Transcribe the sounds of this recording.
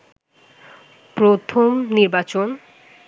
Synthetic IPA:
pɾot̪ʰomniɾbat͡ɕon

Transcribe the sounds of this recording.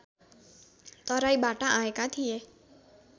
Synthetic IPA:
t̪ɔɾaibaʈãʔãekãt̪ʰie

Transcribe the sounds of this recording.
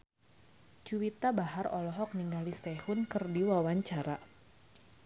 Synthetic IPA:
t͡ʃuwit̪abaɦarɔlɔɦɔk̚niŋɡalist̪ɛhʊnkɨrdiwawaɲt͡ʃaɾa

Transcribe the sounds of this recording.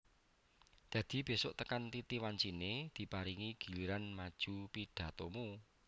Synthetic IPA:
d̪̥ä̤d̪̥i̤b̥e̤soʔt̪əkant̪it̪iwaɲt͡ʃined̪̥i̤paɾiŋiɡ̥i̤liɾanmad̥ʒ̥upiɖ̥a̤t̪omu

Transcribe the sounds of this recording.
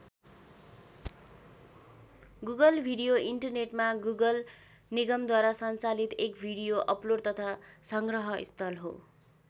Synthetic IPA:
ɡuɡʌlbʱiɽijoiɳʈʌrneʈmaɡuɡʌl | niɡʌmd̪waɾasʌnt͡salit̪ekbʱiɽijoʔʌplort̪ʌt̪ʰasʌŋɡrʌɦʌʔḭst̪ʰʌlɦo̰

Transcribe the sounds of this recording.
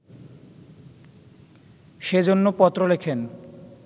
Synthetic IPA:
ʃed͡ʑonːopɔt̪ːɾolekʰen

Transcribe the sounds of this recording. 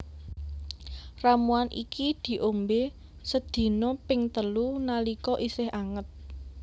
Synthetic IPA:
ramuanʔḭkid̪̥i̤ʔombe | səd̪̥i̤nɔpɪŋt̪əlunalikɔʔisɪɦaŋət̪̚

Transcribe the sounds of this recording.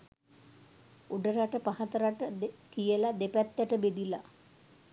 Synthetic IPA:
uɖəɾaʈəpaɦat̪əɾaʈəkijəlad̪epæt̪ːæʈəbed̪ila

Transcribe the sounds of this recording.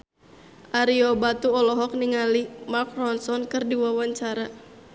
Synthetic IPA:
ʔaɾiɔbat̪uɔlɔɦɔk̚niŋalimakrɔnsɔnkɨrdiwawaɲt͡ʃaɾa

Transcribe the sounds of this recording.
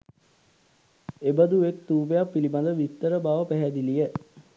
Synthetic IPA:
ebəd̪uʋek̚t̪uːpejapːiliband̪əʋit̪ːəɾəbaːʋəpæɦæd̪ilijə

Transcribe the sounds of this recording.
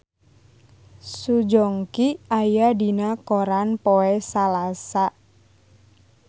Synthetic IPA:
sud͡ʒɔŋkiajadinakoɾanpoɛsalasaʔ

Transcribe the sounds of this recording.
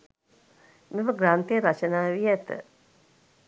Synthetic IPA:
miʋəɡɾaːnt̪ejəɾat͡ʃənaːʋiɛt̪ə̰

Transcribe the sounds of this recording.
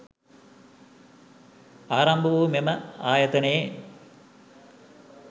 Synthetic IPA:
aːɾɐmbʱɐʋuːmeməaːjɐt̪ɐnee

